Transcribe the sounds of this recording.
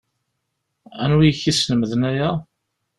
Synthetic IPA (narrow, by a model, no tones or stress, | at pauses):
ænwijçisnəməðənæjæ